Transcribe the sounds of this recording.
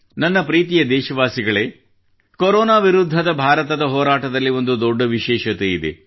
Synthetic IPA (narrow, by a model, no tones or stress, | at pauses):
nɐnːɐpɾiːt̪ijɐd̪ɛːʃɐʋaːsiɡɐɭe̞ː | koɾɔːnaːʋiɾud̪ʱːɐd̪ɐbʱaːɾɐt̪ɐd̪ɐɦɔːɾaːʈɐd̪ɐlːio̞nd̪ud̪ɔɖːɐʋiʃɛːʃɐt̪ejid̪ḛ